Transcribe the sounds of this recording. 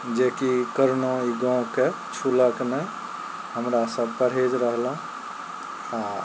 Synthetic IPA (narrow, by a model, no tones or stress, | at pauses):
d͡ʒeːkikəɾnoiɡɔ̃ke | t͡ʃʰuləkne | həmɾasəb̚pəɾɦed͡ʒɾəɦlə̃ | a